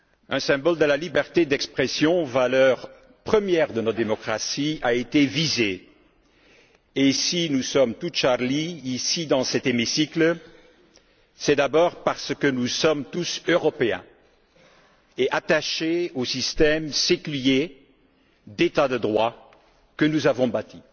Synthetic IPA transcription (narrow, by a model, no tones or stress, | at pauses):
ɛ̃sɛ̃bɔld̪əlalibɛʁt̪ed̪ɛkspχɛsjɔ̃valœʁ | pχəmjɛʁd̪ənɔtd̪emɔkχasiaet̪evize | esinusɔmt̪ut̪ʃaʁliːsid̪ɑ̃sɛt̪emisikl | sɛd̪abɔʁpaʁsəkənusɔmt̪usøʁɔpeɛ̰̃ | eʔat̪aʃeosist̪ɛmsekylje | d̪et̪ad̪əd̪ʁwa | kənuzavɔ̃bat̪ʰi